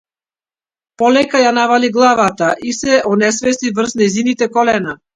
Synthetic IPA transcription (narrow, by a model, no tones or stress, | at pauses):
pɔlɛkajanavaliɡlˠavat̪aʔisɛʔɔnɛsvɛst̪ivr̩znɛjzinit̪ɛkɔlɛna